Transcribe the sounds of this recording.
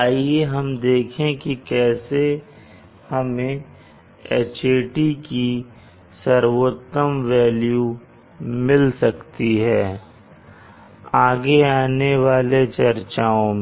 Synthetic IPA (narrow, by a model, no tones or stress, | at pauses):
aːieɦɐmd̪eːkʰẽkikɛːse | hɐmẽ | et͡ʃeːʈiki | sɐɾwot̪ːəmʋɛːlju | mɪlsɐkt̪iɦɛː | aːɡeaːneʋaːlet͡ʃɐɾt͡ʃaːõme